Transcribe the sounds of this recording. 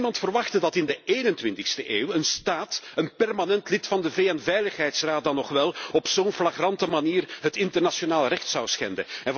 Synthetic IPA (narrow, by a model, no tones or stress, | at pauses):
mɑntfərʋɑxtədɑtɪndəeːnəntʋɪntɪxstəʔeːwənstaːtənpɛrmanɛntlɪtfɑndəveːɛnvɛjləxɦɛjtsraːt̚dɑnːɔxʋɛlˠɔpsoːnflaɣrɑntəmaniːrɦətɪntərnaʃonaːlˠrɛxtsɑwsxɛ̰ndə̰ɛn